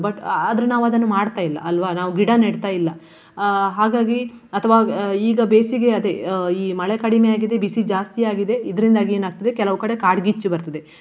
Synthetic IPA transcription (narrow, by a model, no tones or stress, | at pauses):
bɐʈɐd̪ɐɾunaːʋuɐd̪ɐnːumaːɽt̪aːjilːɐ̰ɐlʋanaːʋuɡiɽaneɽt̪aːjilːɐ | ɦaːɡaːɡi | ɐt̪ʰɐʋaːiːɡɐbeːsiɡe̞ɐd̪e̞iːmɐɭekɐɽimejaːɡid̪ebisid͡ʒaːst̪ijaːɡid̪e̞id̪ɐɾind̪aːɡieːnaːɡ̚t̪ɐd̪e̞kɛlɐʋukɐɽekaːɖɡit͡ʃːubɐɾt̪ɐd̪e̞